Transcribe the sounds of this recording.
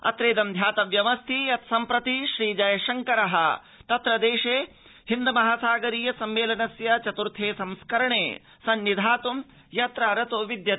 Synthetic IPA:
ɐ̰t̪ɾeːd̪ɐmd̪ʱjaːt̪ɐʋjɐʋɐst̪ʰiɐt̪sɐmpɾɐt̪iʃɾiːd͡ʒɐjɐʃɐŋkɐɾɐɦɐ̰ | t̪ɐt̪ɾɐd̪eːʃeː | hind̪ɐmɐɦaːsaːɡɐɾiːjɐsɐmːeːlɐnɐsjɐt͡ʃɐt̪uɾt̪ʰeːsɐmskɐɾɐɳḛː | sɐnːid̪ʱaːt̪um | jɐt̪ɾaːɾɐt̪oːʋid̪jɐt̪

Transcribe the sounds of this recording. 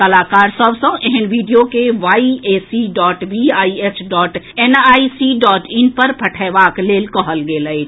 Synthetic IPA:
t̪ɐlaːkaːɾsəbsə̃ʔeɦɪnʋiɖijokeʋaːieːsiɖɔːʈʋiaːiesʰɖɔːʈenaːisiɖɔːʈɪnpəɾpʰəʈʰɛːʋaːkleːlkɔɦəlɡeːləj

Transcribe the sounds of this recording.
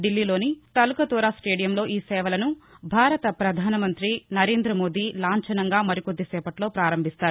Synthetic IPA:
ɖilːiːlo̞ːnit̪ɐlukɐt̪oːɾaːsʈeːɖijɐmloːʔiːsɛːʋɐlɐnubʱaːɾɐt̪ɐpɾɐd̪ʱaːnɐmɐnt̪ɾinɐɾe̞ːnd̪ɾɐmo̞ːd̪iːlaːɲt͡ʃɐnɐŋɡaːmɐɾikod̪ːisɛːpɐʈlo̞ːpɾaːɾɐmbʱist̪aːɾu

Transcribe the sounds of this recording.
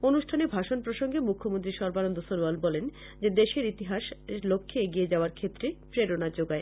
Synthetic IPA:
onuʃʈʰanebʱaʃonpɾoʃoŋɡemukʰːomont̪ɾiʃɔɾbanond̪osoɾwalbɔlen | d͡ʑed̪eʃeɾit̪iɦaʃlokʰːeeɡied͡ʑaoaɾkʰet̪ːɾepɾeɾonad͡ʑoɡae

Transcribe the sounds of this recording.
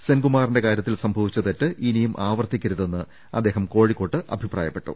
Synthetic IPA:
senɡumaːrinde̞kaːɾjɐt̪ːilsɐmbʱɐʋit͡ɕːɐt̪etːɨʔinijumʔaːʋɐrt̪ːikʲːɐɾuðe̞nːɨ | ɐ̰d̪ːeːɦɐmko̞ːɻikːo̞ːʈːɨʔɐ̰bʱiprʔa̰ːjɐpːe̞ʈːṵ

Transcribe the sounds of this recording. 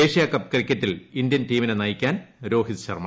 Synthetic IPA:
eːʂijakɐp̚ːkrikʲːɐtːilind̪jɐntiːminenɐjikʲːaːnɾo̞ːɦit̪ɨɕɐ̰rma̰

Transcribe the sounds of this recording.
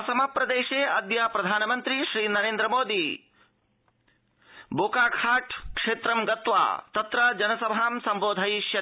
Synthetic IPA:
sɐmaːpɾɐd̪eːʃeːɐd̪jaːpɾɐd̪ʱaːnɐmɐnt̪ɾiʃɾiːnɐɾeːnd̪ɾɐmoːd̪i | boːkaːkʰaːʈʰkʂeːt̪ɾɐmɡɐt̪ʋa̰ːt̪ɐt̪ɾɐd͡ʒɐnɐsɐbʱaːmsɐmboːd̪ʱajʃjɐ

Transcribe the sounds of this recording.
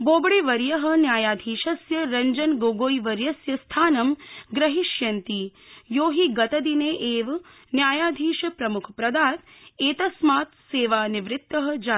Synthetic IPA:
boːbɽiʋɐɾjɐɦɐ̆njaːjaːd̪ʱiːʃɐsjɐɾɐɲd͡ʒɐnɡoːɡoːjʋɐɾjɐsjɐst̪ʰaːnɐmɡɾɐɦiʃjɐnt̪i | joːɦiɡɐt̪ɐd̪ineːʔeːʋ | njaːjaːd̪ʱiːʃɐpɾɐmukʰpɾɐd̪aːt̪̚ | eːt̪ɐsmaːt̪seːʋaːniʋɾɪt̪ːɐɦɐ̆d͡ʒaː

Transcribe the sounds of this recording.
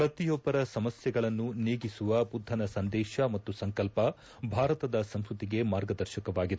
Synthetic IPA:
pɾɐt̪ijɔbɐɾɐsɐmɐsjɐɡɐɭɐnːuneːɡisuʋɐbud̪ʱːɐnɐsɐnd̪ɛːʃɐmɐt̪ːusɐŋkɐlpɐ | bʱaːɾɐt̪ɐd̪ɐsɐmskut̪iɡe̞maːɾɡɐd̪ɐɾʃɐkɐʋaːɡid̪

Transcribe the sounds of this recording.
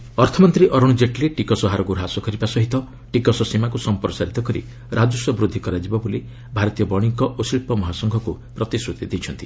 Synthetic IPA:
ɔɾt̪ʰɔmɔnt̪ɾiʔɔɾɔɽ̃d͡ʒeʈleʈikɔsɔɦaɾɔkuɾɦasɔkɔɾibasɔɦit̪ɔ | ʈikɔsɔsimakusɔmpɾɔsaɾit̪ɔkɔɾḭ | ɾad͡ʒusɔbɾud̪ʱːikɔɾad͡ʒibɔboli | bʱaɾɔt̪ijɔbɔɽ̃ikɔʔosilpɔmɔɦasɔŋɡʱɔku | pɾɔt̪isɾut̪id̪et͡ʃʰɔnt̪i

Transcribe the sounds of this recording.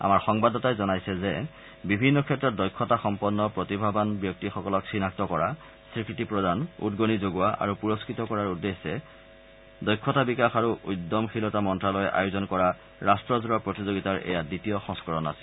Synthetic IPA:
a̰maɹxɔŋbadɔtajzɔnajsɛzɛ | bibʱinːɔkʰɛtːɹɔt̚dɔjkʰːɔtaxɔmpɔnːɔpɹotibʱabanbjɔk̚tixɔkɔlɔksinak̚tɔkɔɹa | sɹikʰɹitipɹɔdanṵdɡonizoɡuwaʔa̰ɹupuɹoskɹitɔkɔɹaɹudːesːɛ | dɔjkʰːɔtabikaxaɹuʔujdːɔmxilɔtamɔntɹalɔjɛʔa̰juzɔnkɔɹa | ɹastɹɔzuɹapɹotizoɡitaɹɛ̰jaditijɔxɔ̃ŋskɔɹɔna̰si̥l

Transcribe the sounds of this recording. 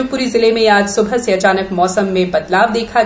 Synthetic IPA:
pʊɾizɪlemẽjaːd͡ʒsʊbʱəseɐt͡ʃaːnəkmɔːsəmːẽbɐt̪laːʋd̪eːkʰa

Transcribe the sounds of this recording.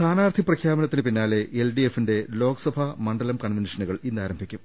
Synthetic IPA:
t̪ʰaːnaːrt̪ʰiprɐkʰjaːbɐnɐt̪ːinɨpinːaːleʔelɖijefinde̞lo̞ːkɐsɐbʱɐmɐɳɖɐlɐmkɐɳʋenʂɐnuɣɐɭinːaːɾɐmbʱikʲːum

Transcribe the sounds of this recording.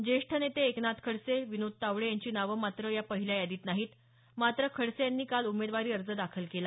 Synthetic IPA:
d͡ʑeʂʈʰənet̪eːknat̪kʰəɽseʋinod̪̚t̪aʋɽejaɲt͡ɕiːnaʋəmat̪ɾəjapəɦiljajad̪iːt̪naɦiːt̪ | mat̪ɾəkʰəɽsejanːiːkalumed̪ʋaɾiːəɾd͡zəd̪akʰəlkela

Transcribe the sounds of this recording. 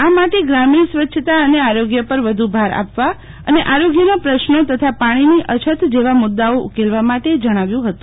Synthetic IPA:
amaʈeɡɾaminsʋətːʃʰət̪aəneaɾoɡjəpəɾʋəd̪ʱubʱaɾa̰pʋa | ə̰neʔaɾoɡjənopɾəʃnot̪ət̪ʰapaɽ̃iniʔət͡ʃʰət̪d͡ʒeʋamʊd̪ːaoʔṵkelʋamaʈed͡ʒəɽ̃aʋjũɦət̪ũ̥

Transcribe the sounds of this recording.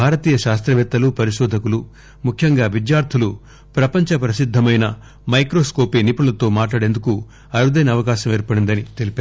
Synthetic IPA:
bʱaːɾɐt̪iːjɐʃaːst̪ɾɐʋɛt̪ːɐlupɐɾiʃɔːd̪ʱɐkulu | mukʰjɐŋɡaːʋid͡ʒ̪jaːɾt̪ʰulu | pɾɐpɐɲt͡ʃɐpɾɐsid̪ʱːɐmɐjnɐ | mɐjkɾo̞ːsko̞ːpeːnipuɐlɐt̪o̞ːmaːʈ̬laːɽe̞nd̪uku | ɐɾud̪ɐjnɐːʋɐkaːʃɐmeːɾpɐɽind̪ɐnit̪e̞lipaː

